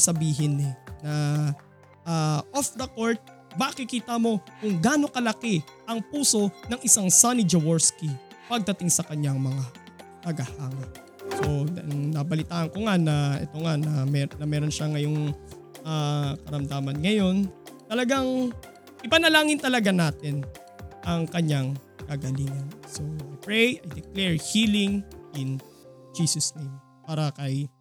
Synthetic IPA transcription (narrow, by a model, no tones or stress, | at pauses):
sɐbiːɦɪnɛnɐ | ʔaʔofd̪ɐkoɹt̪̚ | mɐʔkɪkiːt̪ɐmo̞kʊŋɡaːno̞kɐlɐkɛʔɐŋpuːso̞nɐŋʔɪsaŋsanid͡ʒɐwoɹski | pɐɡ̚d̪ɐt̪ɪŋsɐkɐɲaŋmɐŋa | t̪ɐɡɐhaːŋɐ | sonɐbɐlɪt̪aːʔɐnko̞ŋanɐʔɛ̰t̪o̞ŋanɐmɛnɐmɛːɾo̞nʃaŋɐjoŋ | ʔakɐɾɐmd̪aːmɐnŋɐjo̞nt̪ɐlɐɡaŋ | ʔɪpɐnɐlaːŋɪnt̪ɐlɐɡanaːt̪ɪn | ʔɐŋkɐɲaŋkɐɡɐliːŋɐnso̞ʔajpɹɛjʔɐjd̪ɛklɛɹhiːlɪŋʔɪn | d͡ʒiːsɐsnejm | paːɾɐkɐj